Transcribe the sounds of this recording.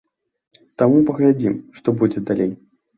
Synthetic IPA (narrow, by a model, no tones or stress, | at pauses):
t̪amupɐɣlʲad͡zʲimʂt̪ɔbud͡zʲɛd̪alʲej